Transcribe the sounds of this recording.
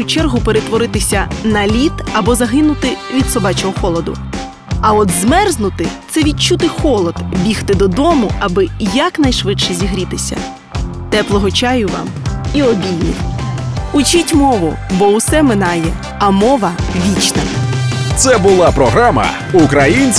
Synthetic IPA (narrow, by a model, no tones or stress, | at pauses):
ʊt͡ʃɛrɦʊpeɾet̪ʋɔɾɪt̪ɪsʲɐnɐlʲit̪ɐbɔzɐɦɪnʊt̪ɪʋʲid̪sɔbɑt͡ʃɔɦɔxɔlˠɔd̪ʊ̰ | ɐɔd̪zmɛrznʊt̪ɪt̪sɛʋʲit͡ʃut̪ɪxɔlˠɔd̪̥bʲixt̪ɪd̪ɔd̪ɔmʊʔɐbɪjɐknɐjʃʋɪʃɛzʲiɦɾʲit̪ɪsʲɐ̰ | t̪ɛplˠɔɦɔt͡ʃɑjʊʋɑ̰m | iɔbʲilʲnʲḭ | ʊt͡ʃitʲmɔʋʊ̰bɔwsɛmɪnɑjɛ | ɐmɔʋɐʋʲit͡ʃnɐ̰t̪sɛbʊlˠɑpɾɔɦɾamɐ̰ | ukɾɐjinʲt͡sʲ